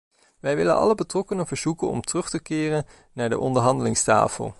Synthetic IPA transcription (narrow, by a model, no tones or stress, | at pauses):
ʋɛjʋɪlə̰nʔɑ̰ləbətrɔkənəvəɹz̥ukənɔ̰mtrɵχtəkɪːrən | naːɹdə̰ʔɔndəɹɦɑndəlɪŋsta̰ːfə̰lˠ